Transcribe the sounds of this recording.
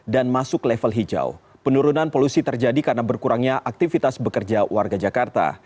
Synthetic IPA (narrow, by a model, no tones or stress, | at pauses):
danmasʊklɛfəlɦid͡ʒa̰w | pənuɾunanpolusit̪ərd͡ʒadikarnabərkuɾaŋɲaʔak̚t̪ifit̪asbəkərd͡ʒawarɡad͡ʒakart̪a̰